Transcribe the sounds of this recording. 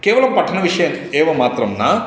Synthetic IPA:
keːʋɐlɐmpɐʈʰːɐnɐʋiʂɐjɐm | eːʋɐmaːt̪ɾɐmnaː

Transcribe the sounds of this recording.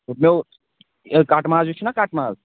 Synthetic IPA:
uʈ̚me | kaːʈmaːzd͡ʒut͡ʃʰinakaːʈmaːz

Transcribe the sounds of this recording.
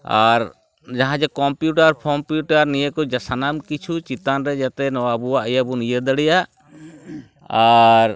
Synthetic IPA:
aɾ | d͡ʒaɦãd͡ʒɛkɔmpjuʈaɾpʰɔmpjuʈaɾnijəkɔd͡ʒasanamkit͡ʃʰut͡ʃit̪anɾɛd͡ʒat̪ɛnɔwabuwaʔəjabunijəd̪əɽɛjaʔ | aɾ

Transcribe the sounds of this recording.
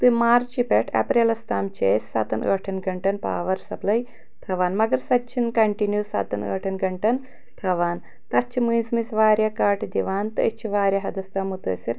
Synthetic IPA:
t̪ɨmaːɾt͡ʃt͡ʃipeʈʰɐ̰pɾeːlɐst̪aːmt͡ʃeːssɐ̰t̪ɐnɐ̰ːʈʰɐnɡɐɳʈɐnpa̰ːʋɐɾsɐplɐj | t̪ʰɐʋaːnmɐɡɐɾsɐt͡ʃʰːinkɐɳʈinjusɐ̰t̪ɐnə̰ːʈʰɐnɡɐɳʈɐn | t̪ʰɐʋaːn | t̪ɐt͡ʃʰːimujsmisʋaːɾjɐkaːʈd̪iʋaːnt̪ɨɐt͡ʃʰːiʋaːɾjɐɦɐd̪ɐst̪ɐːmut̪ɐ̰ːsiɾ

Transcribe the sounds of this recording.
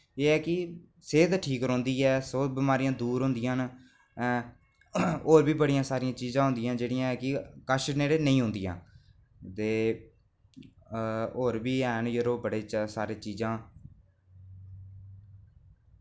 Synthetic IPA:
eːɛːkɪ | seːd̪ʈʰiːkɾõːnd̪iːɛːsoːbɪmaːɾijãːd̪uːɾɦʊ̃nd̪ɪjãːn | oːɾbiːbəɽɪjãːsaːɾɪjãːt͡ʃiːzãːɦʊ̃nd̪ɪjãːd͡ʒeːɽɪjãːɛːkɪkəʃneːɽeːnəĩːɦʊ̃ːnd̪ɪjã̰ː | t̪eː | oːɾbiːɛːnjəɾoːbəɽeːsaːɾeːt͡ʃiːzãː

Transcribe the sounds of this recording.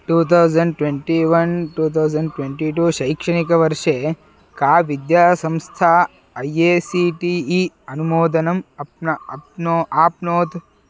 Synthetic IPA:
ʈuːt̪ʰɐwd͡ʒɐɳɖ̚ʈʋeɳʈiʋɐnʈuːt̪ʰɐwd͡ʒɐɳɖʈʋeɳʈiʈuːʃɐjkʂɐɳikɐʋɐɾʂe | kaːʋid̪jaːsɐ̃mst̪ʰaː | ɐjeːsiʈiː | ɐnumoːd̪ɐnɐmɐpnɐɐpnoaːpnoːt̪

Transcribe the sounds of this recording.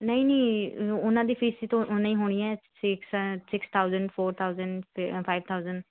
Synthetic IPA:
nəĩːneːʊnãːd̪iːpiːsiːt̪õʔnãːĩɦoːɽ̃iɛːsɪkssɪkst̪ʰaːʊzəɳɖpʰoːɾt̪ʰaːzəɳɖpʰaiʋt̪ʰaːʊzəɳɖ

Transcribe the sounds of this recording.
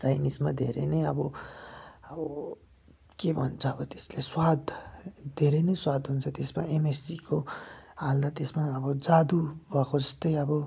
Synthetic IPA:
t͡sajnismad̪ʱeɾenʌjʌbʌ | ʌbʌ | kebʱʌnt͡sʰʌːbʌt̪e̥sleswad̪d̪ʱeɾenʌjswad̪ʱɦunt͡sʰʌt̪esmaemesikoald̪at̪esmaʌbʌd͡zad̪ubʱʌkod͡zʌst̪ʌjʌbʌ

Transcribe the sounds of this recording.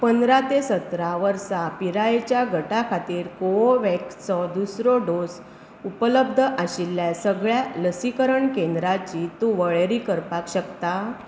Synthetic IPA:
pənd̪ɾat̪esət̪ɾaʋəɾsapiɾaet͡ɕjaɡʱəʈakʰat̪iːɾkooʋekt͡sɔd̪usɾɔɖos | upələbd̪ʱəʔaɕilːjasəɡɭjaləsikəɾəɳkẽnd̪ɾat͡ɕit̪ũʋəɭɾiːkəɾpakɕəkt̪a

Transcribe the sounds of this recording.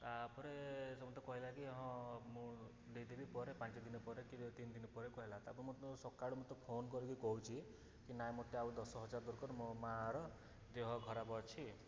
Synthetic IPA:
t̪apɔɾesemɔt̪ɔkɔɦilakiɦɔ̃mũ | d̪ejd̪ibipɔɾepãnt͡ʃɔd̪inɔpɔɾekit̪ind̪inɔpɔɾekɔɦelat̪apɔɾemũt̪sɔkaɽumɔt̪ɔpʰonkɔɾikikɔɦut͡ʃʰi | kinajmot̪eaud̪ɔsɔɦɔd͡ʒaɾɔd̪ɔɾkɔɾmɔmaɾɔ | d̪eɦɔɡʱɔɾabɔɾt͡ʃʰi

